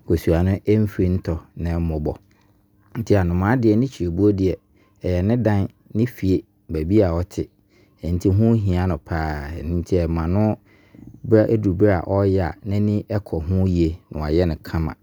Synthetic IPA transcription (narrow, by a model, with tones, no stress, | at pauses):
kʰo˨su˨a˨nʊ̃˦ʔɛ˦m̩˦fĩ˦n̩˦tʰɔ˨nɪ̃˨˦mʊ̃˨bɔ˨ | n̩˦tʰi˦a˨nʊ̃˨mã˨˦dɪ˦ɛ˨nɪ̃˦t͡ɕʰi˨ɾe˨bu˦o˦dɪ˨ɛ˨ | ɛ˨jɛ˨nɪ̃˦dã˦n | nɪ̃˦fi˨e˦ | bæ˨bi˦a˨ɔ˦tʰɪ˨ | ɛ̃˨n̩˦tʰi˦ɦʊ̃˦ɦĩ˨a˦nʊ̃˨pʰaː˦ɛ˨nɪ̃˦n̩˦tʰi˦ɛ˨mã˨nʊ̃˦ | bɾa˦ʔe˦du˨bɾa̰˨ʔɔ˦jɛ˦a̰˨nɪ̃˦nɪ̃˦ʔɛ˦kʰɔ˨ɦʊ̃˦ji˨˦e˨nʊ̰̃˨a̰˨jɛ˦nɪ̃˨kʰã˦mã̰˨